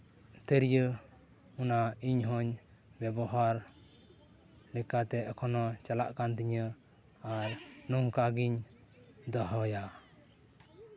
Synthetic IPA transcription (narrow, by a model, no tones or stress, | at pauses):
t̪əɾjə | unaiɲɦɔɲ | bɛbɔɦaɾ | lɛkat̪ɛkʰɔnɔt͡ʃala̰ʔkant̪iɲə | aɾnuŋkaɡiɲ | d̪ɔɦɔja